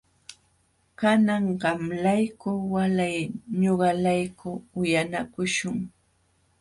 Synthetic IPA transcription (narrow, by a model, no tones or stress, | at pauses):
kanaɴɢɑmlajkʊwalajɲoɢɑlajkʊʊjanakʊʃʊŋ